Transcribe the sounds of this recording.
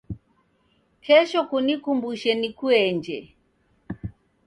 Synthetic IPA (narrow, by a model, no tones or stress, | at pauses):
kʰɛʃɔkunikumbuʃɛnikuɛɲd͡ʒɛ